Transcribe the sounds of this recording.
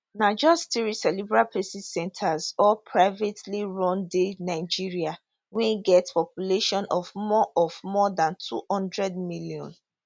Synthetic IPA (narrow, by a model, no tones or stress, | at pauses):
nad͡ʒɔstiɹisɛlibɹapɹesisɛ̃ntʰazɔpʰɹaɪvetliɹɔ̃ndenaɪd͡ʒiɹia | wɛ̃niɡɛtspɔpjuleʃɔ̃nɔvmɔʔɔvmɔdãntʰṵhɔ̃ndɹɛd̚miliɔ̰̃n